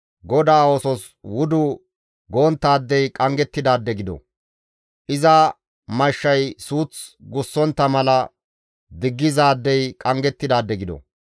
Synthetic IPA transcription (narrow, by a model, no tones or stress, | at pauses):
ɡɔd̪aːoːsɔs | wʊd̪ʊ | ɡo̞ːnt̪ːaːd̪ːɛjkʼɐŋɡɛt̪ːɪd̪aːd̪ːɛɡɪd̪ɔ̰ | ʔɪzɐ | mɐʃːɐjsuːt͡sɡʊsːɔnt̪ːɐmɐlɐ | d̪ɪɡːɪzaːd̪ːɛjkʼɐŋɡɛt̪ːɪd̪aːd̪ːɛɡɪd̪ɔ̰